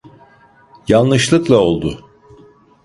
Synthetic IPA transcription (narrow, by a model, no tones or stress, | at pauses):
jalˠnɯʃlˠɯklˠao̞lˠd̪ʊ